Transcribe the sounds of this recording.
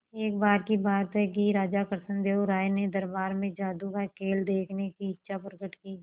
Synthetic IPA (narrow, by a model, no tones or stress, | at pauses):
eːk̚baːɾkibaːt̪ɦɛk̬iɾaːd͡ʒakəɾsə̃nd̪eːoɾaːjned̪ɐɾbaːɾmẽd͡ʒaːd̪ukakʰeːld̪eːkʰnekiɪtːʃʰapɾəɡəʈkiː